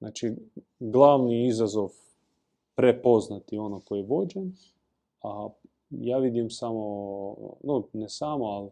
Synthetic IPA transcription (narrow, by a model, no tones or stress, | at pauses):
ʔa̰ːt͡ʃi | ɡlˠaːʋniizazoʋ | pɾepo̞znat̪io̞nokojeʋo̞d͡ʒem | a | jaːʋid̪imsamo | nonesamoali